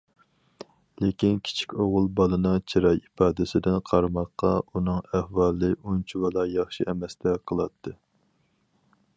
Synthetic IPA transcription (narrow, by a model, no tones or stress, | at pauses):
lekʲinkʲʰi̥t͡ʃʰi̥kʲoʁʊlˠbɑlˠɨnɨŋt͡ʃʰiɾɑjipʰɑːd̪ɪsɪd̪ɪnqʰɑɾmɑqːɑunɨŋæhwɑlˠːɨʔunt͡ʃʰuwɑlˠɑjɑχʃiɛmɛst̪ʰɛqʰəlˠɑt̪ʰːɨ